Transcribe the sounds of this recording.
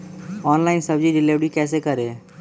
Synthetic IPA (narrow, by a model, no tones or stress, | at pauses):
ɔːnlaːɪnsɐbd͡ʒiɾɪleʋɽikɛːsekɐɾeː